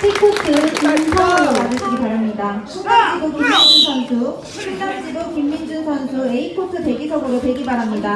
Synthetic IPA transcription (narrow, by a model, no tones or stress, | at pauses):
t͡ɕʰik͈ʰot͈ʰɯɭmansʰaaɾomad͡ʑɯɭɕʰiɡipaɾamɲidat͡ɕʰuŋɡaŋd͡ʑidokimːind͡ʑunsʰʌnsʰu | t͡ɕʰuŋdaŋd͡ʑidokimːind͡ʑunsʰʌnsʰueipʰotʰɯte̞ɡisʰʌɡɯɾotwe̞ɡibaɾɦamɲida